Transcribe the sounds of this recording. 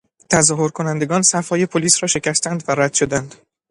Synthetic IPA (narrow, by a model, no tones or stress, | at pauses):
t̪ʰæzɒːho̞ɾkʰo̞nænd̪e̞ɡɒːnsæfhɒːje̞pʰoliːsɾɒːʃe̞cæst̪ænd̪væɾæd̪̥ʃod̪ænd̪̥